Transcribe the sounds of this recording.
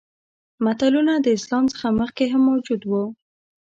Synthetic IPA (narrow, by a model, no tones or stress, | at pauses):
mat̪alunad̪əɪslɑmt͡sə̥xaməxkeɦamːawd͡ʒud̪wu